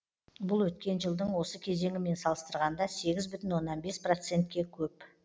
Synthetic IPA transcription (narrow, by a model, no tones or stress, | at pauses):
bʊlˠwɵt̪̚kʲe̞nʒəlˠd̪əɴwo̞səkʲʰe̞ze̞ŋʲɪme̞nsɑlˠəst̪əɾʁɑnd̪ɑse̞ɡʲɪzbʏt̪ɪnwo̞nːɑnbe̞spro̞t̪se̞nt̪̚kʲe̞kʲʰɵp